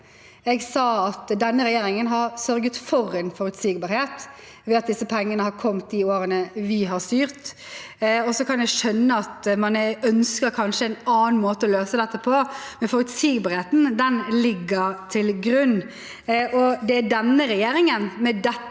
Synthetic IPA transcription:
ɛɡsɑːɑt̪d̪ɛnːəɾɛjeːɾɪŋənɦɑɾsœɾɡət̪fɔɾɛnfɔɾʉt̪siːɡbɑːɾheːt̪ | ʋɛːɑt̪̚d̪ɪsːəpʰɛŋːənəhɑɾkʰɔmt̪d̪ɪoːɾənəʋɪɦɑɾst̪yːɾt̪ | ɔsɔkʰɑnjɛɡʃœnːəɑt̪mɑnœnskəɾkʰɑnʂəɛnɑːnnmoːt̪əɔløːsəd̪ɛt̪ːəpʰɔmɛnfɔɾʉt̪siːɡbɑːɾheːt̪n̩d̪ɛnlɪɡːəɾt̪ʰɪlɡɾʉnː | ʔɔd̪ɛæɖɛnːəɾɛjeːɾɪŋənmɛd̪ɛ

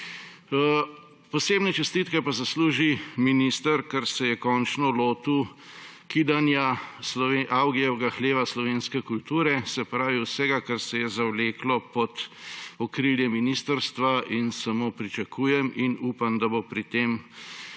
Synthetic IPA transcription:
pɔseːbnɛt͡ʃɛst̪it̪kɛpazasluːʒiminist̪əɾkaɾsɛjɛkɔnt͡ʃnɔloːt̪u | kid̪anjaslɔʋeʔawɡijɛɛɡaxleːʋaslɔʋeːnskɛkult̪uːɾɛsɛpɾaːʋiwsɛɡakaɾsɛjɛzawleːklɔpɔt̪ɔkɾiljɛminist̪əɾst̪ʋainsamoːpɾit͡ʃakʰuːjɛminuːpamd̪abopɾit̪em

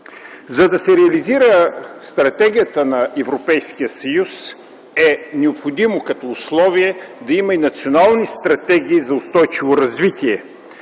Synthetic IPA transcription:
zɐd̪ɐsɛɾɛɐliziɾəst̪ɾɐt̪ɛɡ̟ijət̪ənɐʔɛvɾopɛjskijəsɐjus | ɛnɛopxod̪imokɐt̪ɔʊslˠɔviɛd̪ɐimɐinɐt̪sionalˠnist̪ɾɐt̪ɛɡ̟ʲiːzɐʊst̪ɔjt͡ʃivoɾɐzvit̪ʲiɛ

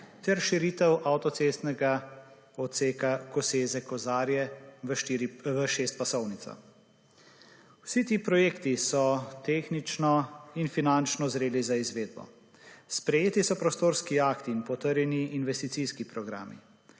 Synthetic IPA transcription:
t̪ɛɾʃiɾiːt̪ɛwʔawt̪ɔt̪sest̪nɛɡa | ɔseːkakɔseːzɛkɔzaːɾjɛ | ɾʋəʃeːst̪̚pasɔwnit̪sa̰ | wsit̪iːpɾɔjeːkt̪isɔt̪eːxnit͡ʃnɔinfinant͡ʃnɔzɾeːlizaizʋeːd̪̚bɔ̰ | spɾɛjeːt̪isɔpɾɔst̪oːɾskiaːkt̪iːnpɔt̪əɾjɛniːnʋɛst̪it̪sijskipɾɔɡɾa̰ːmḭ

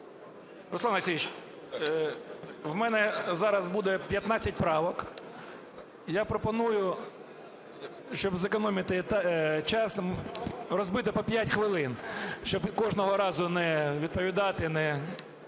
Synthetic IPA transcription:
ɾɔsˠɑnɐsʲijit͡ʃ | wmɛnɛzɑɾɐzbud̪ɛpʲjɐt̪nɑt͡sʲːɐtʲpɾɑʋɔk | japɾɔpɔnujʊ | ʃt͡ʃɔbzekɔnɔmʲɪt̪ɪt̪t͡ʃɑs | rɔzbɪt̪ɪpɔpʲjatʲxʋɪlˠɪnʃt͡ʃɔbkɔʒnɔɦɔɾɑzʊnɛʋʲid̪̚pɔʋʲid̪ɑt̪ɪnɛ

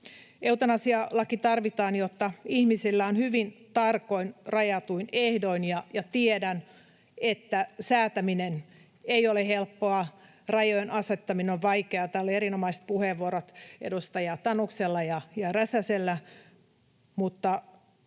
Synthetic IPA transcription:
eut̪ɑnɑsiɑlːɑkit̪ɑrʋit̪ɑːnjot̪ːɑihmisilːæonhyʋint̪ɑrkoinrɑjɑt̪uinehdoinjɑjɑt̪iedæn | et̪ːæsæːt̪æminen | eiolehelpːoɑ | rɑjojenʔɑset̪ːɑmineoʋʋɑikeɑt̪æolieɾinomɑist̪̚puheʋːuoɾot̪ḛdust̪ɑjɑt̪ɑnukselːɑjɑjɑræsæselːæ | mut̪ːɑ

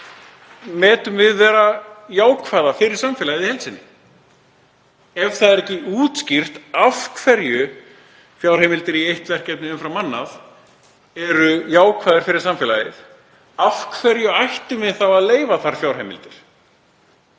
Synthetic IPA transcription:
mɛːt̪ʏmvɪðvɛːɾajaːwkʰvaːðafɪɾɪɾ̥samfɛlajɪðihɛlsɪnːɪ | ɛvθaðɛɾɛcːɪuːt̪scir̥t̪afkʰfɛɾjʏ | fjaːwɾ̥ejmɪlt̪ɪɾiejht̪vɛr̥cɛpnɪʏmfɾawmːanːaθ | ɛɾʏjaːwkʰvaːðɪɾ̥fɪɾɪɾ̥samfɪːlajɪ̰θ | afkfɛɾjʏajht̪ɪmvɪðθawaðleːjvaθaɾ̥fjawɾ̥heːmɪ̰lt̪ɪɾ̥

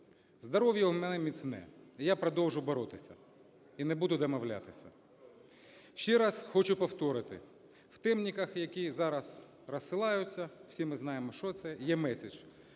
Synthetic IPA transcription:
zd̪ɐɾɔwjɐmɛnɛmʲisʲnɛ̰ijapɾɔd̪ɔwʒʊbɔɾɔt̪ɪsʲɐ | inɛbud̪ʊd̪ɐmɔwlʲa̰t̪ɪsʲɐ̰ | ʃt͡ʃɛɾɑsxɔt͡ʃʊpɔwt̪ɔɾɪt̪ɪ̰ | w̥t̪ɛmnʲikɐxjɐkʲizɑɾɐs | rɐsːɪlˠɑjʊt͡sʲːɐw̥sʲimɪznɑjemɔʃt͡ʃɔt̪sɛjɛmɛsʲed͡ʒ

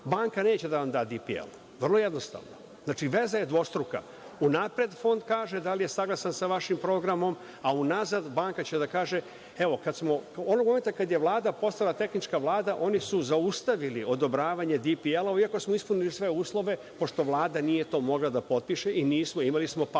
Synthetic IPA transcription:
baːŋkaneːt͡ɕe̞d̪anamd̪ad̪ipiḛl | ʋr̩lˠo̞je̞d̪no̞st̪a̰ːʋno | zznaːt͡ʃiʋe̞zaje̞d̪ʋo̞st̪ɾuka̰ | unapɾe̞d̪fo̞nd̪kaːʒed̪alije̞saɡlˠasansaʋaʃimpɾo̞ɡɾamo̞m | aunazad̪baːŋkat͡ɕe̞d̪akaːʒe̞ | e̞ʋo̞kad̪smo̞onoɡmome̞nt̪akad̪je̞ʋlˠaːd̪apo̞st̪alˠat̪e̞xnit͡ʃkaʋlˠaːd̪aʔo̞nisuzaust̪aʋilio̞d̪o̞bɾaːʋaɲe̞d̪ipielaoiako̞smoispunilisʋe̞uːslˠo̞ʋe̞ | po̞ʂt̪o̞ʋlˠaːd̪anije̞t̪o̞ːmo̞ɡlˠad̪apo̞t̪̚piʃeʔiniːsmo̞imalismo̞p

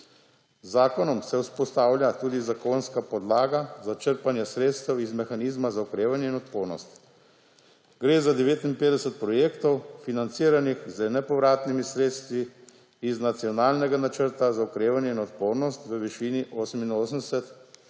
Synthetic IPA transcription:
zaːkɔnɔmsɛwspɔst̪aːwlʲjat̪uːd̪izakoːnskapɔd̪laːɡazat͡ʃəɾpanjɛsɾeːt̪st̪ɛwizmɛxaniːzmazaukɾeːʋanjɛinɔt̪poːɾnɔ̰st̪ | ɡɾeːzad̪ɛʋeːt̪inpeːd̪ɛsɛt̪̚pɾɔjeːkt̪ɔwfinant̪siːɾanixzənɛpɔʋɾaːt̪nimisɾeːt̪st̪ʋiː | znat̪sijɔnaːlnɛɡanat͡ʃəɾt̪azaukɾeːʋanjɛinɔt̪poːɾnɔst̪ʋəʋiʃiːniʔoːsəminoːsənd̪ɛsɛt̪

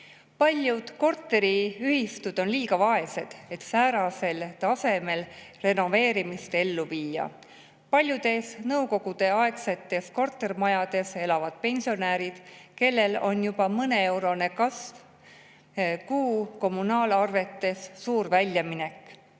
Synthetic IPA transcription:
pɑlʲjud̪̥ko̞rt̪ːe̞ɾiyhist̪ud̪̥o̞nliːɡ̥ɑvɑe̞se̞d̪̥e̞t̪sæːɾɑse̞lt̪ɑse̞me̞lre̞no̞ve̞ːɾimist̪e̞lːuviːjɑ̰ | pɑlʲjud̪̥e̞snɤwko̞ɡ̥ud̪̥e̞ɑe̞kse̞t̪ːˑe̞sko̞rt̪ːe̞rmɑjɑd̪̥e̞se̞lɑvɑd̪̥pe̞nʲsio̞næːɾid̪̥ke̞lːe̞lo̞njub̥ɑmɤne̞e̞wɾo̞ne̞kɑsv | kuːko̞mːunɑːlɑrve̞t̪ːˑe̞sːuːɾvælʲjɑmine̞kːˑ

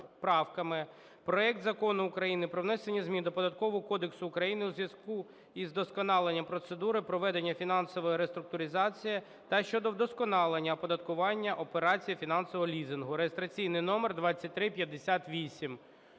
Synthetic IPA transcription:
pɾɑwkɐmɪ | pɾɔɛk̚t̪zɐkɔnʊːkɾɐjinɪpɾɔwnɛsenʲizʲmʲind̪ɔpɔd̪ɐt̪̚kɔʋɔɦɔkɔd̪eksʊːkɾɐjinɪuzʋjɐsku | izd̪ɔskɔnɑlˠenʲːɐpɾɔt̪sed̪uɾɪpɾɔʋɛd̪enʲːɐfʲinɑnsɔʋɔjɛɾest̪ɾʊk̚t̪ʊɾʲɪzɑt͡sʲiji | t̪ɐʃt͡ʃɔd̪ɔwd̪ɔskɔnɑlˠenʲːɐpɔd̪ɐt̪kʊʋɑnʲːɐʔɔpeɾɑt͡sʲijifʲinɑnsɔʋɔɦɔlʲizɪnɦʊɾejest̪ɾɐt͡sʲijnɪjnɔmerd̪ʋɑt͡sʲːɐt̚ʲt̪ɾɪpʲjɐd̪ːesʲat̪ʋʲisʲim

